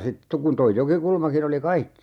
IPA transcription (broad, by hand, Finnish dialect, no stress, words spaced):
sit to kun toi jokikulmɑkin oli kɑikːi